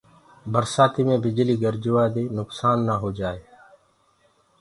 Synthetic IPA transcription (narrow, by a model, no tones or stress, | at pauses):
bəɾsaːt̪iːmẽːbɪd͡ʒliːɡəɾd͡ʒʊʋaːd̪eːnʊksaːnːaːɦoːd͡ʒaːeː